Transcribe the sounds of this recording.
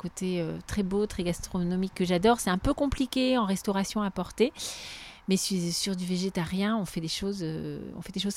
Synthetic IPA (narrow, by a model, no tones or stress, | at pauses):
kot̪eøt̪χɛbot̪χɛɡast̪χɔnɔmikːəʒad̪ɔʁsɛt̪ɛ̃pøkɔ̃plikʲeɑ̃ʁɛst̪ɔʁasjɔ̃apɔʁt̪e | mɛsisyʁd̪yveʒet̪aʁjɛ̃ɔ̃fɛd̪eʃozøɔ̃fɛd̪eʃoz